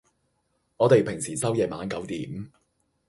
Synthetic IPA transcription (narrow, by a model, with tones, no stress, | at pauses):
ŋɔː˨˧t̪e˨jpʰɪ˨˩ŋsiː˨˩sɐ˥wjɛː˨maː˨˧nkɐ˨˥wt̪iː˨˥m